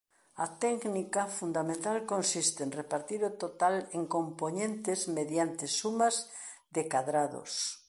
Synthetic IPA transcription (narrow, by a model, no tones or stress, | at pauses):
at̪ɛknikafund̪amẽnt̪alkonsist̪enrepaɾt̪iɾot̪ot̪aleŋkomponẽnt̪ezmeðjant̪esumaz | ðekaðɾaðo̰s